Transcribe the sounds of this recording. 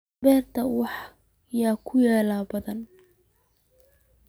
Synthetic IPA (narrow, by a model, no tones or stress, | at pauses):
bɛːrt̪ʰɐwɑħ | jaːkʰʊjɛːlaːbɐðɐn